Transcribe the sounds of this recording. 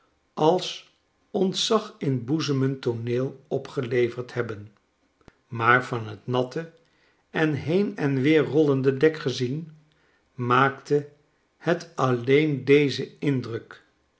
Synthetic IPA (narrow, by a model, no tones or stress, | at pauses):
ʔɑlˠs | ɔntsɑχɪnbuzəməntonɪːlˠɔpχəlejvəɹthɛbən | maːɹv̥ɑnɦətnɑtə | ɛnɦejnɛnʋɪːɹrɔlˠəndədɛkχəzin | maːktə | hətɑlejndejzəɪndrək